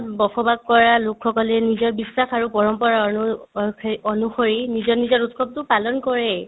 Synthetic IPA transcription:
bɔpʰɔbaɡ̚kɔɹalʊkxɔkɔlɛnizɔɹbisːaxaɹupɔɹɔmpɔɹaɔnu | ɔnuxoɹinizɔnizɔɹutkʰɔb̚tʊpalɔnkɔɹɛ

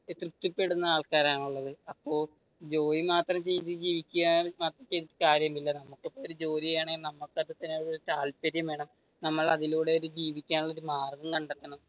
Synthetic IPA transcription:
t̪rɨt̪ːipːe̞ɽunːɐaːɭkaːɾaːɳuɭːɐðɨɐpːo̞ː | d͡ʑo̞ːjimaːt̪rɐmt͡ɕejt̪d͡ʑiːʋikʲːuɣamaːt̪rɐmt͡ɕejt̪iʈːɨkaːɾjɐmilːɐnɐmukːipːoːoɾud͡ʑo̞ːlijejaːɳeŋɡilnɐmːukːɐðet̪ːɐnːeɭoɾut̪aːlpɐɾjɐmʋe̞ːɳɐm | nɐmːɐɭɐðiluːɽeoɾud͡ʑiːʋikʲːaːnuɭːoɾumaːrɡɐŋkɐɳɖɐt̪ːɐɳɐm

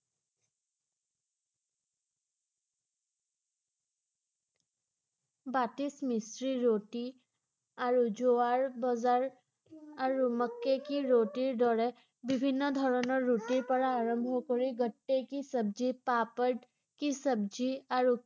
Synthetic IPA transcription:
batismisɹiɹoti | aɹuzowaɹbɔzaɹ | aɹuməkːekiɹotiɹdɔɹɛ | bibʱinːɔdʱɔɹɔnɔɹːutiɹpɔɹaːɹɔmbʱɔkoɹiɡɔtːekisəbzipapəɖ | kisəbziaɹu

